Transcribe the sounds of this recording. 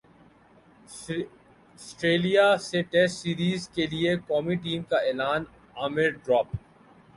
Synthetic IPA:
sʈɾeːlijaseʈɛsʈsiːɾiːzkeliekɔːmiʈ̬iːmkaeːlaːn | aːmɪɾɖɾɔːp

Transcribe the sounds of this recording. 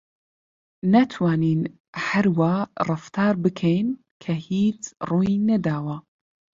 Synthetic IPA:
nɐt̪ʰwaːniːn | hɐɾwaːrˤɨft̪ʰaːɾbɨkʰɛjn | kʰɐhiːt͡ʃruːjinɐd̪aːwa

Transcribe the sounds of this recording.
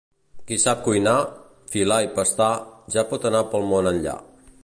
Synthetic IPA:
kisap̚kujna | filaipəst̪aʒapɔt̪ənapəlˠmonənʎa̰

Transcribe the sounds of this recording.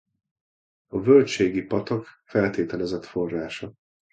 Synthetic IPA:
ɒvølt͡ʃeːɡipɒt̪ɒkfɛlt̪eːt̪ɛlɛzɛt̪fo̞rːaːʃɒ

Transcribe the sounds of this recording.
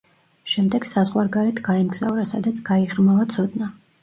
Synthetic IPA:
ʃɛmd̪ɛɡ̥sazʁwaɾɡaɾɛt̪ʰɡaɛmɡz̥avɾasa̰d̪at̪sʰɡ̥aiʁɾmavat̪sʰɔd̪na

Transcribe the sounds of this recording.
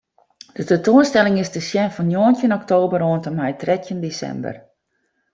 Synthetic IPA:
d̥ətɛntoənstɛlɪŋɪsdəsjɛnfɔnjoːntjənɔktoːbəɾoəntəmɛjtrɛtʰjəndesɛ̰mbə̰r

